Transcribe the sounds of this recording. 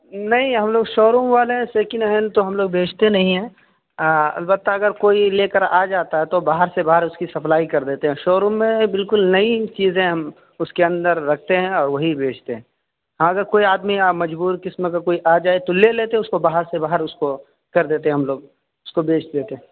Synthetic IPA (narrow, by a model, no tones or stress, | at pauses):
nɐɦĩɦɐmloːɡʃoːɾũmʋaːleɦɛ̃seːkɪnɐɦənt̪oɦɐmloːɡ̚beːt͡ʃʰt̪enɐɦĩɦɛ̃ː | ɐ̰lbət̪ːaɐɡəɾkoːileːkəɾaːd͡ʒaːt̪aɦɛt̪obaːɦəɾsebaːɦəɾʊskisɐpʰlaːikɐɾd̪eːt̪eɦɛ̃ʃoːɾũmːẽbɪlkʊlnɐit͡ʃiːzẽɦɐm | ʊskeɐ̃nd̪əɾːɐk̚ʰt̪eɦɛ̃ɔːɾʋɐɦibeːt͡ʃʰt̪eɦɛ̃ː | ɦãɐɡəɾkoːiaːd̪miamɐd͡ʒbuːɾkɪsmekakoːiʔaːd͡ʒaːet̪oleleːt̪eɦʊskobaːɦəɾsebaːɦəɾʊsko | kɐɾd̪eːt̪eɦɛ̃ɦɐmloːɡ | ʊskobeːt͡ʃʰd̪eːt̪eɦɛ̃